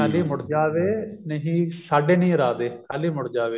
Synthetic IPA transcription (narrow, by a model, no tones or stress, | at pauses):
aːliːmʊɽd͡ʒaːʋeːnəɦĩːsaːɖeːnĩːɾaːd̪eːkaːliːmʊɽd͡ʒaːʋeː